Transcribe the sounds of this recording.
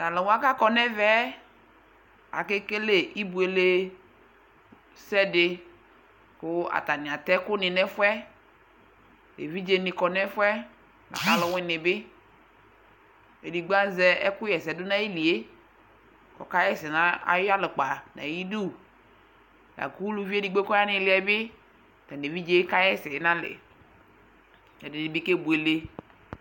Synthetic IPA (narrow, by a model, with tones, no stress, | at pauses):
nã˨lɪ˨wa˦ka˦kɔ˨nɛ˦vɛ˦ | a̰˨ke˦ke˦le˨ʔi˦bu˨e˨˦le˦ | sɛ˦dɪ˨ | kʊ˦a̰˨t̪a˨nɪ̃˨a˨t̪ɛ˦kʊ˦nɪ˨nɛ˦fʊ˦ɛ˦ | lḛ˨vi˦d͡ʒe˦nɪ̃˨kɔ˨nɛ˦fʊ˦ɛ˦ | nã̰˨ka˦lɪ˨˦wɪ̃˦nɪ̃˨bɪ˦ | e˨di˨ɡ͡ba˦zɛ˦ɛ˦kʊ˦jɛ˨sɛ˨dʊ˦nã˦ji˦li˨e˦ | kɔ̰˨ka˦jɛ˦sɪ˨nã˦a̰˦jo˦a˦lɪ˨k͡pa˨nã̰˨ji˦du˦˨ | ja̰˨ku˦lu˦vi˦e˦di˨ɡ͡be˦kɔ˦a˦nɪ̃˨˦lɪ˨˦ɛ˨bɪ˦˨ | t̪a˨ne˨vi˦d͡ʒe˦ka˦jɛ˦sɛ˨e˦nã˦lɪ̰˨ | ɛ˨dɪ˨di˨bi˦ke˦bu˨e˨le˦